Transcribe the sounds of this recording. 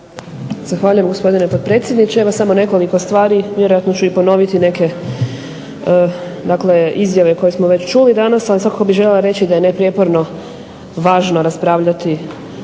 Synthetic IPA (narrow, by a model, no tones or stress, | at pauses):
z̥axʋaːʎujemɡo̞spo̞d̪ine̞pod̪̚pɾet̪sʲjed̪nit͡ɕeeʋosamo̞ne̞ko̞liko̞st̪ʋaːɾiʋje̞ɾo̞jat̪no̞t͡ɕuipo̞no̞ʋit̪ine̞ke̞ | d̪akle̞izjaʋe̞ko̞jesmoʋet͡ɕt͡ʃulid̪anasalisʋakako̞biʒeʎelˠaɾe̞t͡ɕid̪ajenepɾijepo̞ɾno̞ | ʋaːʒno̞ɾaspɾaːʋʎat̪i